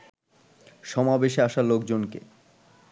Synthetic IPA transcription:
ʃɔmabeʃaʃalokd͡ʑonkḛ

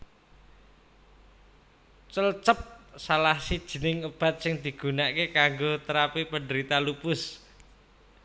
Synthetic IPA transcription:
t͡ʃəlt͡ʃəp̚salahsid̥ʒ̥ə̤nɪŋub̥a̤t̪̚sɪŋd̪̥i̤ɡ̥ṳnakekaŋɡot̪əɾapipənɖəɾit̪alupʊs

